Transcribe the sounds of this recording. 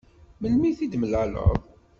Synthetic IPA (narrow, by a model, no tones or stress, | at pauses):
məlmiθid̪məlalə̰ðˤ